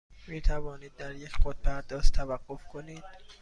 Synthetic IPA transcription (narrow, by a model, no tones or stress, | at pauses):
miːt̪ʰævɒːniːd̪̚ːæɾjecʰχot̪̚bʰæɾd̪ɒːst̪ʰævæɢːofkʰoniːd̪̥